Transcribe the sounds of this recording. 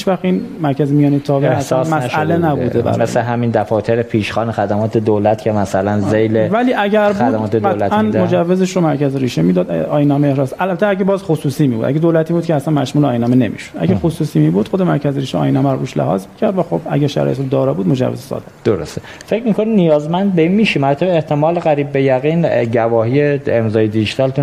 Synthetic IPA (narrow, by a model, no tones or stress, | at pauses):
ʃvæxinmæɾcʰæzemijɒːnet̪ʰɒːviæssːsmæsʃlenæbud̪ebæ̰ɾɒmej̰eɦæmind̪æfɒːt̪ʰeɾepʰiːʃxɒːnexæd̪æmɒːt̪ʰed̪olæt̪cʰemæsælænzejlevæliːʔæɟæɾbæd̪mɒːt̪ʰeælæʔænmod͡ʒævːezeʃɾomæɾcʰæzɾiːʃemiːd̪ɒːd̪ɒːjnɒːmeehɾɒːsælæt̪ʰeæɟebɒːzxosuːsiːmiːbṵd̪ʔæ̰ɡed̪olæt̪ʰiːbuːd̪kʰɛæsænmæʃmuːleɒːjnɒmene̞mḭʃod̪ʔæ̰ɡexosuːsiːmiːbuːd̪̥xod̪emæɾcʰæzeɾiːʃɛɒ̰ːjinæmæɾoɾuːʃlḛhɒ̰ːzmicʰæɾd̪væxo̞bæ̰ɟæɾʃæ̰ɾɔ̰jet̪ɾod̪ɒːɾɒbuːd̪mo̞d͡ʒæ̰vezesɒ̰ːd̪e̥d̪oɾost̪e | fecmikʰoninijɒːzmænd̪̚beinmiːʃimæɾt̪ʰæbeeht̪ʰemɒːleɣæɾiːb̚ːejæɣinɟævɒːɦijeemzɒːjed̪iʒit̪ʰɒlt̪ʰu